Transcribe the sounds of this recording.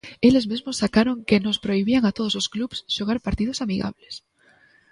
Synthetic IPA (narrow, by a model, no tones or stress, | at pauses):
e̞le̞zmezmo̞sːakaɾo̞ŋkeno̞spɾo̞iβiaŋat̪o̞ð̞olo̞sklupsʃoɣaɾpaɾt̪ið̞o̞samiɣa̰βles